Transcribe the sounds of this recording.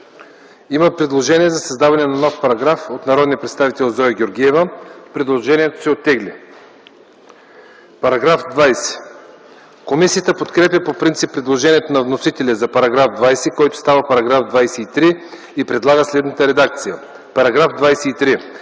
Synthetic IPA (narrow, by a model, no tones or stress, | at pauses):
iməpɾɛd̪lˠoʒɛniɛzɐsɐzd̪avɐnɛnɐnɔfpɐɾɐɡɾafot̪nɐɾɔd̪nijəpɾɛt̪st̪avit̪ɛlˠzɔjɡʲoɾɡʲiɛvəpɾɛd̪lˠoʒɛniɛt̪o̥sɛot̪ːɛɡli | pɐɾɐɡɾafd̪vajsɛ̥ | komisijət̪əpot̪kɾɛpjɐpopɾint̪sipːɾɛd̪lˠoʒɛniɛt̪onɐvnosit̪ɛlʲizɐpɐɾɐɡɾavd̪vajsɛkɔjt̪ʊ̥st̪avəpɐɾɐɡɾafd̪vajsɛit̪ɾi | ipɾɛd̪lˠaɡəslɛd̪nət̪əɾɛd̪ak̚t̪sijə | pɐɾɐɡɾafd̪vajsɛit̪ɾi